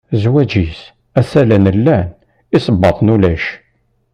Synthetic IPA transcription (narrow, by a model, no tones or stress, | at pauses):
zwæd͡ʒis | æsælænəlːæn | isˤəbːɑt̪ˤnulæʃ